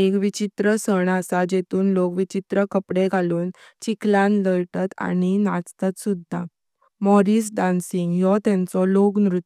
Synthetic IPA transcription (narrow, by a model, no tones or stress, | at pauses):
ekʋit͡ɕit̪ɾəsəɳasad͡ʑet̪uːnlokʋit͡ɕit̪ɾəkəpɽeɡʱaluːn | t͡ɕiklãnləɾʈat̪a̰ñinat͡st̪at̪sud̪ʱːa | mɔɾiːs̬ɖansiŋɡjɔt̪ãnt͡sɔloknɾut̪